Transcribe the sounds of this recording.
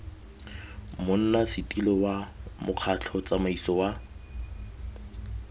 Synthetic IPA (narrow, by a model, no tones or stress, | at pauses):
mʊn̩nasɪtʼilɔwamʊq͡χʰat͡ɬʰɔt͡sʼamaisɔwa